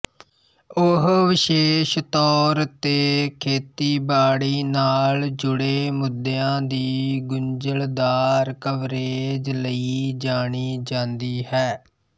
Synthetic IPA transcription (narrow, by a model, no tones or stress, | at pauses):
ʊɦʋɪʃeːʃt̪ɔːɾt̪eːkʰeːt̪iːbaːɽiːnaːld͡ʒʊɽeːmʊd̪eãːd̪iːɡʊɲd͡ʒəld̪aːɾkəʋɾeːd͡ʒləiːd͡ʒaːɳiːd͡ʒãːnd̪iːhɛː